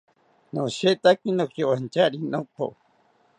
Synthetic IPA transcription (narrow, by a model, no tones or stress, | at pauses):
noʃet̪akinokjowant͡ʃaɾinopo̰